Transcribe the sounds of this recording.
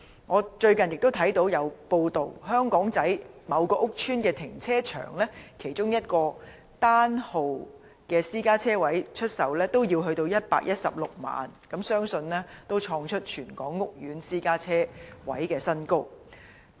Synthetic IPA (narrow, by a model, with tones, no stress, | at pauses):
ŋɔː˨˧t͡ʃɵ˧ɥkɐ˨njɪ˨k̚t̪o˥t̪ʰɐ˨˥jt̪o˨˧˥wjɐ˨˧wpo˧wt̪o˨˩wɦœː˥ŋkɔː˨˥ŋt͡sɐ˨˥jmɐ˨˧wkɔː˧˥ʔʊ˥k̚t͡ʃʰyː˥nkɛː˧t̪ʰɪ˨˩ŋt͡sʰɛː˥t͡ʃʰœ̰ː˨˩ŋlɛː˥kʰe˨˩jt͡ʃʊ˥ŋjɐ˥t̚kɔː˧ | t̪aː˥nho˨w | kɛː˧siː˥kaː˥t͡sʰɛː˥wɐ˨˥jt͡ʃʰɵ˥t̚sɐ˨˧wlɛː˥t̪o˥wjiː˧wɦɵ˧ɥt̪o˧wjɐ˥t̚pa̰ː˧˥k̚jʔɐ˥t̚sɐ̰˨p̚lʊ˨k̚ma̰ː˨nkɐ˨˥msœː˥ŋsɵ˧nlɛː˥t̪o˥wt͡ʃʰɔː˧ŋt͡ʃʰɵ˥t̚t͡ʃʰyː˨˩nkɔː˨˥ŋːʊ˥k̚jyː˨˥nsiː˥kaː˥t͡sʰɛː˥wɐ̰˨˥jkɛː˧sɐ˥nkʊ˥w̚